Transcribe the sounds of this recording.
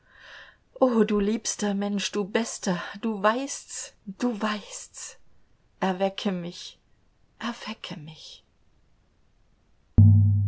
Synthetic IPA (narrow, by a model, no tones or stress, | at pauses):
ʔoːduːliːpstɐmɛnʃd̥uːbɛstɐd̥uːvaɪstsd̥uːvaɪsts | ʔɛɐvɛkʰəmɪç | ʔɛɐv̥ɛkʰəmɪç